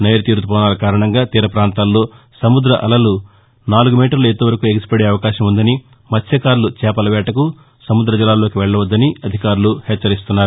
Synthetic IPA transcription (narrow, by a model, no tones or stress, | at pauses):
neːjɾɐt̪iːɾt̪upɔːnaːlɐkaːɾɐɳɐŋɡaːt̪iːɾɐpɾaːnt̪aːlːo̞ː | sɐmud̪ɾɐʔɐ̰lɐlu | naːluɡumiːʈɐɾluet̪ːoʋɐɾɐkueɡsi̥pɐɽe̞ːɐʋɐkaːʃɐmund̪ɐni | mɐt̪ʰjɐkaːɾlut͡ʃɛːpɐlɐʋɛːʈɐku | sɐmud̪ɾɐd͡ʒilːaːlo̞ːkiʋɛɭːɐʋɐd̪ːɐniɐd̪ʱikaːɾuluhɛːt͡ʃːɐɾist̪unːaːɾu